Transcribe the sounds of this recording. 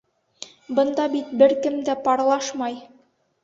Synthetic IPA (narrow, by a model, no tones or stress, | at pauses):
bɤ̆nd̪ɑbit̪̚bɘɾkɘmd̪æpɑɾlˠɑʃmɑj